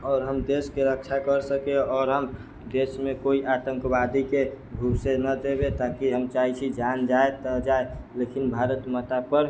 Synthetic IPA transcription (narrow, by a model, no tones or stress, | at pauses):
ɔːɾɦəmd̪eskeɾək̚t͡ʃʰakəɾsəkeɔːɾɦəm | d̪esmekoiʔat̪əŋkbad̪ike | bʱubsenəd̪ebet̪akiɦəmt͡ʃait͡ʃʰid͡ʒand͡ʒaet̪əd͡ʒaelekinbʱaɾət̪mət̪apəɾ